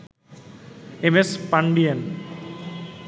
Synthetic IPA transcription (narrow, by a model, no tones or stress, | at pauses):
emespaɳɖien